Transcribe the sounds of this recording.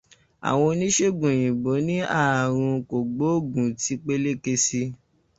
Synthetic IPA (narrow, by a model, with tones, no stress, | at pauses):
a̰˨w̃ɔ̃˧nĩ˦ʃe˦ɡũ˨jĩ˨bo˨˦nĩ˦a˦˨ɾ̃ũ˧ko˨ɡ͡bo˨˦o˦˨ɡũ˨ti˨˦k͡pe˦le˦ke˧si˧